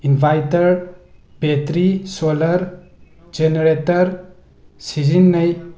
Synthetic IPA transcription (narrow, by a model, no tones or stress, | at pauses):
inbʱajtɐɖbʱet̪ɾisolɐɾ | d͡ʒeneɾetɐɾ | sid͡ʒinːɐj